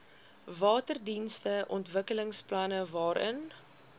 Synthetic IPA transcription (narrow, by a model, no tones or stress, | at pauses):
vɑːtərdinstəʔɔntvəkələŋsplɐnəvɑːɾʔə̰n